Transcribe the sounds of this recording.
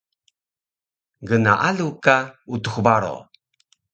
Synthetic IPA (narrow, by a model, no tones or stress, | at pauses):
ɡəna̰ʔalukautuxbaɾo̰